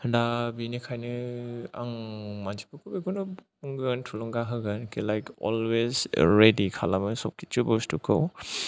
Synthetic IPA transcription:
dabinikʰajnɯa̰ŋmand͡ʒipʰɯkʰubiɡunu | uŋɡɯntʰulɔŋɡaɦɯɡɯnkʰilajkɔ̰lwezɹedikʰa̰lamɯsɔp̚kʰit͡ʃubowstukʰow

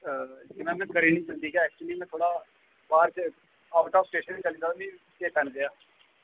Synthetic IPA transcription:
d͡ʒɪmɛ̃ːmɛ̃ːkəɾiːnĩːt͡ʃənd̪iːɡaɛːk̚t͡ʃliːmɛ̃ːt̪ʰoːɽaː | baːɾt͡ʃ | aːʊʈaːpsʈeːʃənːiːt͡ʃəliːd͡ʒaːmĩː | t͡ʃeːt̪ənɡeaː

